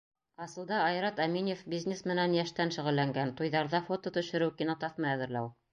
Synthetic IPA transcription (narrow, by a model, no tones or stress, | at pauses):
ɑsɤ̆lˠd̪ɑɑjɾɑt̪æminʲefbʲizʲnʲesmɘ̆nænjæʃt̪ænʃɘ̆ʁɘ̆lːæŋɡænt̪ujðɑɾðɑfot̪ot̪ɵ̆ʃɘ̆ɾɘwkinot̪ɑθmɤæðɘ̆ɾlæw